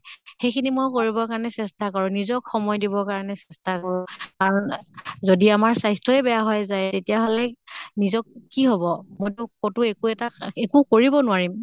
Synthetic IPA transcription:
xejkʰinimojkoɹibɔkaɹanɛsɛstakɔɹʊnizɔkxɔmɔjdibɔkaɹnɛsɛstakɔɹʊkaɹɔnzodiamaɹsajstɔɛbɛjaɦɔjzajtetijaɦɔlɛnizɔkːiɦobɔmojtʊkotʊekuɛtaekukoɹibɔnʊwaɹim

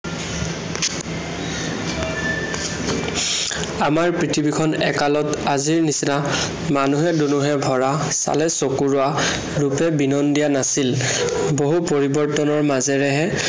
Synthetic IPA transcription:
amaɹpɹitʰibikʰɔnɛ̰kalɔtaziɹnisina | manuɦɛdunuɦɛbʱɔɹa | sa̰lɛsokuɹʊa | ɹupɛbinɔndijanasil | boɦupoɹibɔɹtɔnɔɹmazɛɹɛɦɛ

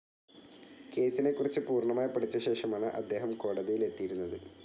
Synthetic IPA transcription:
ke̞ːsine̞kːurit͡ɕːɨpuːrɳɐmaːjipːɐɽit͡ɕːɐɕe̞ːʂɐmaːɳɨʔɐ̰d̪ːe̞ːɦɐmko̞ːɽɐðijile̞t̪ːijiɾunːɐðɨ

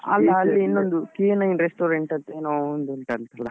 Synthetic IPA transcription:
ɐ̰lːɐːlːiːnːond̪ukiːnɐjnɾesʈoːɾeɳʈɐt̪ːeːnoːnd̪uɳʈɐlt̪ɐlːɐ

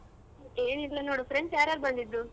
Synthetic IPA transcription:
eːniɾlɐnoːɽufɾeɳsaːɾaɾbɐnd̪id̪ɾu

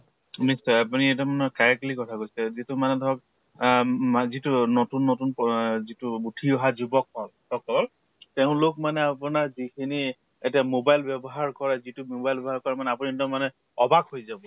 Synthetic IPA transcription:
nistɔapuniɛt̬amanɔkaɹɛk̚tlikɔtʰakojsɛzitumanɛdʱɔk | zitunotunːotunpzituutʰiɔɦazubɔk̚hɔltɔkɔɹ | tɛʊ̃lok̚manɛapʊnaɹzikʰini | etiamobajlbɛbɔɦaɹkɔɹɛzitumobajlbɛbɔɦaɹkɔɹɛmanɛap̬unidɔmanɛ | ɔbakhojzabɔ

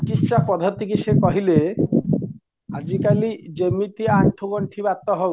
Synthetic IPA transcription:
kisʃapɔd̪ʱɔt̪ikisekɔɦile | a̰d͡ʒikalid͡ʒemit̪iaɳʈʰɔɡɔɳʈʰibat̪ɔɦɔ

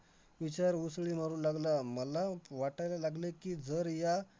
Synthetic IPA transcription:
ʋit͡ɕaɾusɭiːm̤əɾuːnlaɡlaməlaʋaʈajlalaɡlekiːd͡zəɾja

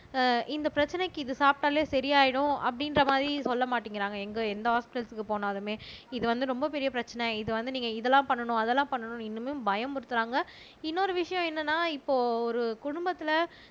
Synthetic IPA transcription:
ʔɪnd̪ɐpɪɾɐt͡ʃːɐnɐɪkːɯɪðɯsaːp̚ʈaːleːsɐɾijaːjɪɽʊ̃ɐ̰pːɐɽɪnɾɐmaːðɾisɔlːɐmaːʈːiŋɡɪɾaːŋɡɐɛŋɡɐɛnd̪ɐɦaːspɪʈɐlsɯkːɯpoːnaːðɯmeːɪðɯʋɐnd̪ɯɾɔmbɐpɛɾɪjɐpɪɾɐt͡ʃːɐnɛɪðɯʋɐnd̪ɯniːŋɡɐɪðɛlːãːpɐɳːɐɳʊ̃ɐðɛlːãːpɐɳːɐɳʊ̃ɪnːɯmeːʊ̃mbɐjɐmpɔɽɯt̪ːɯɾaːŋɡɐ | ɪnːoːɾɯʋɪʂɐjɔ̃ɛnːɐnːaːɪpːoːɔɾɯkʊɽʊmbɐt̪ːɪlɐ

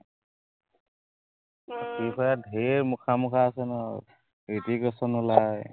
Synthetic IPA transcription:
tikʰɔjadʱeɹmukʰamukʰaːsɛnɔ | ɹitikɔsɔnʊlaj

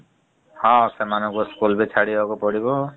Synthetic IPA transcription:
hɔ̃semanɔ̃ŋkuskulbet͡ʃʰaɽiɦɔkɔpɔɽibɔ

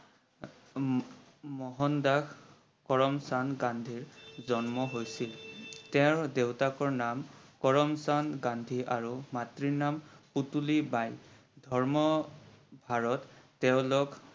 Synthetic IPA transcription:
mɔɦɔndax | kɔɹɔmsanɡandʱiɹzɔnmɔɦojsiltɛʊɹdewtakɔɹnamkɔɹɔmsanɡandʱiʔaɹumatɹiɹnamputulibaj | dʱɔɹmɔ | bʱaɹɔtː | ɛʊ̃lʊk

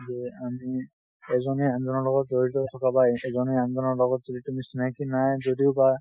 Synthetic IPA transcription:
zɛami | ɛzɔnɛanzɔnɔɹlɔɡɔt̚doɹitɔtʰɔkabajɛzɔnɛanzɔnɔɹlɔɡɔtzoditumisinakinajzodiʊba

